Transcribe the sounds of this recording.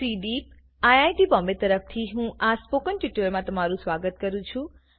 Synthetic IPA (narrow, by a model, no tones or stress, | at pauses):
siɖip̚ | ajajʈibɔmbet̪əɾəft̪ʰiɦũʔaspokənʈiʈəlmãt̪əmaɾũsʋaɡət̪kəɾũt͡ʃʰũ